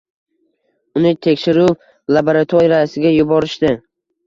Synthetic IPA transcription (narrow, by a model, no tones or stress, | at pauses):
ʊnɪt̪ʰe̞kʲʃɪɾu | lˠaboɾat̪ʰoɾjasɪɡʲajʊbɒɾɪʃt̪ɪ